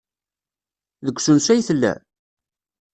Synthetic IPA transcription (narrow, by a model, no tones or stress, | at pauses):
ðəɡʷsənsæjθlːæ̰